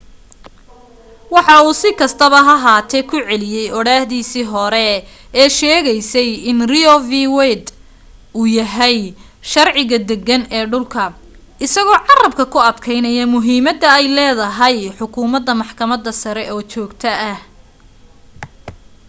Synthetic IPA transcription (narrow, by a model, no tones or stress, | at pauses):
wɑħɑuːsɪkʰɐst̪ʰɐβɐɦɐɦaːt̪ʰɛjkʰʊʕɛlɪjɛjʔɔɽaːhðiːsiːɦɔɾɛ | ɛːʃɛːɣɛjsɛjɪnriɔviwɛjd̪ | uːjɐɦɛj | ʃɐrʕɪɣɐd̪ɛɡɐnɛːɖʊlkʰɐ | ʔɪsɐɣɔːʕɑrɐb̚kʰɐkʰʊɐd̪kʰɛjnɐjɐmʊɦiːmɐd̪ɐɛjlɛːðɐɦɐjħʊkʰuːmɐd̪ːɐmɑħkʰɐmɐd̪ɐsɐɾɛʔɔːt͡ʃɔːɡt̪ʰɐɐh